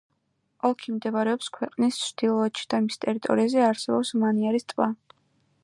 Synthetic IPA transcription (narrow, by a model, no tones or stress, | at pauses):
ɔlkʰimd̪ɛβaɾɛɔpskʰwɛqʼnist͡ʃʰd̪̥ilˠɔɔt͡ʃʰi̥d̪̥amist̪ʼɛɾit̪ʼɔ̰ɾiazɛaɾsɛbɔpsmaniaɾist̪ʼva